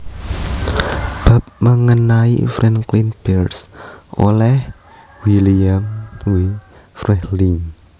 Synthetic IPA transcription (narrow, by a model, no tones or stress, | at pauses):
b̥ä̤p̚məŋənaḭfɾɛnklinb̥ɛrsʔo̰lɛh | wiliamwi | fɾɛhliŋ